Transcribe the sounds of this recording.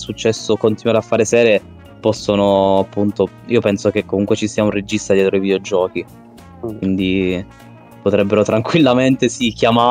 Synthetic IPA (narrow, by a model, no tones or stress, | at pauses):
sut͡ʃːɛsːokont̪inwaɾeafːaːɾesɛːɾe | pɔsːonoapːunt̪o | iːopɛnsok̟ekːomuŋkwet͡ʃisiːaunred͡ʒist̪ad̪jɛːt̪ɾoivid̪eod͡ʒɔːk̟i | kwind̪i | pot̪ɾɛbːeɾot̪ɾaŋkwilːament̪esikjama